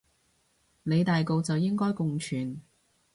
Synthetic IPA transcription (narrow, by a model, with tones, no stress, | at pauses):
ne˨˧jt̪aː˨jko˧wt͡sɐ˨wjɪ˥ŋkɔː˥jkʊ˨˧ŋt͡ʃʰyː˨n